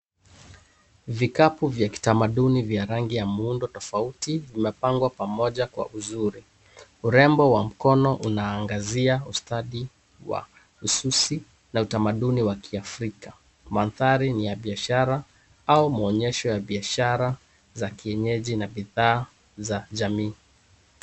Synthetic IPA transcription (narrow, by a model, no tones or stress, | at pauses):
vikapuvjaki̥tamaɗunivjaɾaŋɡijamuundɔtɔfautivimɛpaŋɡwapamɔʄakwa̰ʔuzuɾi | uɾɛmbɔwam̩kɔnɔʔunaːŋɡaziaustaɗi | wa̰ | ususi | nautamaɗuniwakʰiafɾika | manθaɾinijaɓiaʃaɾa | aumaɔɲɛʃɔjaɓiaʃaɾa | zakiɛɲɛʄinaɓiðaː | zaʄamiː